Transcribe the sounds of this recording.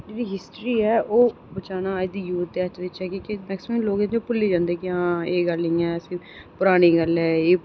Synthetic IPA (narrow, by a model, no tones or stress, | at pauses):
d͡ʒeːɽiːɦɪsʈɾiːɛːʔoː | bət͡ʃaːnaːid̪iːjuːt̪̚d̪eːət͡ʃʋɪt͡ʃɦɛːkõːkemɛːksɪməmloːɡẽd͡ʒõpʊlːiːd͡ʒãːnd̪eːkɪãːeːɡəlːɪ̃ːɛːəsĩː | pʊɾaːɽ̃iːɡəlɛːeː